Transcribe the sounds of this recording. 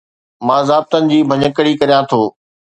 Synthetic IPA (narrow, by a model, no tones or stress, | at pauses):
mãːzaːb̚t̪ənɪ̆d͡ʑiːbʱɐɲəkəɽikɐɾijãt̪ʰoː